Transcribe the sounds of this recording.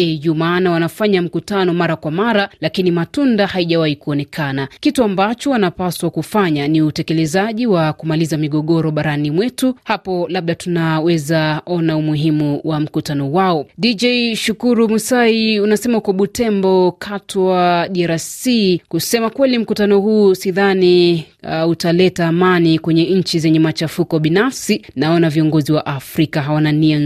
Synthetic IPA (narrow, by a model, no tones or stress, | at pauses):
ɛjumaːnawanafaɲam̩kutanɔmaɾakwamaɾalakinimatundahaiʄawahikuɔnɛkʰanakituambat͡ʃɔwanapaswakufaɲaniutɛkɛlɛzaʄiwakumalizamiɠɔɠɔɾɔɓaɾanimwɛtuhapɔlaɓ̚ɗatunawɛzaɔnaumuɦimuwʔam̩kutanɔwaɔɗid͡ʒɛiʃukuɾumusaiunasɛmaukɔɓutɛmbɔkʰatʰɔaɗiaɾasikusɛmakwɛlim̩kutanɔhuːsiðani | utalɛtaːmanikwɛɲɛɲ̩t͡ʃizɛɲɛmat͡ʃafukɔɓinafsinaɔnaviɔŋɡɔziwaʔafɾikaɦawanania